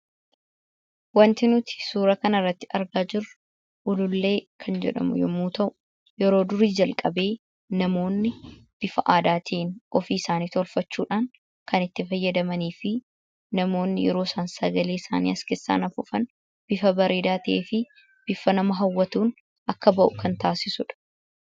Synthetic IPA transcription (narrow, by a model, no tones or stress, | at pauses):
wɐnt̪ɪnʊt̪ɪ̥suːɾɐkɐnɐrːɐt̪ːɪ̥ʔɐɾɡaːd͡ʒɪrʊ | ʔʊlʊlːe̞ːkʰɐnd͡ʒɛ̰ᶑɐ̰mʊ̰jɔmuːt̪ɐʔʊ | jɛɾo̞ːd̪ʊɾiːd͡ʒɐlkʼɐbe̞ː | nɐmo̞ːnːɪb̥ɪfɐʔaːd̪aːt̪ʰeːnʔɔfiːɪsaːniːt̪ɔlfɐt͡ʃːuːᶑaːŋ | kɐnɪt̪ːɪfɐjːɐd̪ɐmɐniːfɪ | nɐmo̞ːnːɪjɛ̰ɾo̞ːsaːnsɐɡɐleːɪsa̰ːnḭːɐskɪsːa̰ːnɐfʊfɐn | b̥ɪfɐbɐɾeːd̪aːt̪ɪeːfɪ | b̥ɪfɐnɐmɐɦɐwːɐt̪uːn | ʔɐkːɐbɐʔʊkʰɐnt̪aːsɪsʊᶑɐ̥